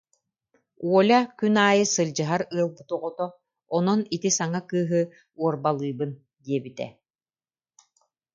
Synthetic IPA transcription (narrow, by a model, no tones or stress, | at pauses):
uɔlʲakynaːjɯsɯlʲd͡ʑɯɦaɾɯɐlˠbɯt̪uʁɔt̪ɔ | ɔnɔnit̪isaŋakɯːɦɯ | uɔɾbalˠɯːbɯn | d̪iɛbit̪ɛ̰